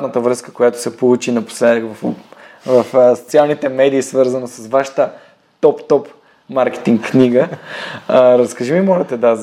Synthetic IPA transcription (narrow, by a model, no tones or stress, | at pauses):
nət̪əvɾəskə̥kojat̪o̥sɛpolˠut͡ʃinɐpo̥slɛv | vɐfso̥t̪sialˠnit̪ɛmɛd̪iːsvɤɾzənosɐsvaʃə̥t̪ə | t̪ɔpt̪ɔp | maɾkɛ̥t̪iŋkkːniɡə | ɾəskɐʒimimɔlɛt̪ɛd̪a